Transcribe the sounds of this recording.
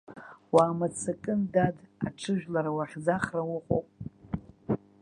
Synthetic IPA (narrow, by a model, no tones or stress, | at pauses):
waːmat͡sʰakʼɨndada̰ʈ͡ʂʰɨʒᶣlaɾawaχʲd͡zaχrawʊqʼo̰wpʼ